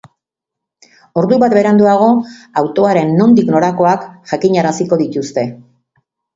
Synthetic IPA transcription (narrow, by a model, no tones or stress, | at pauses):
o̞ɾðuβat̪̚be̞ɾand̪uaɣ̞o̞awt̪o̞aɾe̞nːo̞nd̪ikno̞ɾako̞akʝakiɲaɾasiko̞ðit̪ust̪e̞